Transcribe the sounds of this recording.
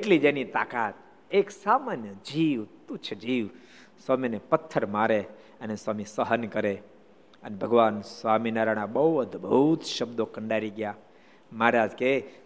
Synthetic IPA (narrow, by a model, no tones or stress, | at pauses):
eʈlid͡ʒenit̪a̰kat̪̚ | eksamanjəd͡ʒiʋt̪ut͡ʃʰəd͡ʒiʋ | swaminepət̪ʰːəɾmaɾe | ənesʋamisəɦənkəɾe | ənebʱəɡʋansʋaminaɾaɽ̃abəd̪bəɦut̪ʃəbd̪okəɳɖaɾiɡja | maːɾad͡ʒke